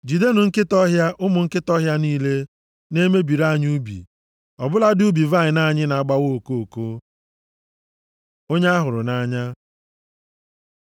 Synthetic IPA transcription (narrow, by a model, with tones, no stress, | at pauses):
d͡ʒi˨de˦nʊ˨ŋ̩˦kɪ˦tɔ˦ɦja˦ʔʊ˦mʊ˨ŋ̩˦kɪ˦tɔ˦ɦja˦niː˦le˦ | ne˦me˦bi˨ɾa˦˨ɲ˦u˦bḭ˨ | ɔ˨bʊ˦la˦du˦bi˨va˦˨ɪ˨na˦˨ɲɪ˦na˨a˨ɡ͡ba˦wo˦˨ko˦˨ko˦ | o˦ɲ˦a˦ɦʊ˨ɾʊ˨na˦ɲa˦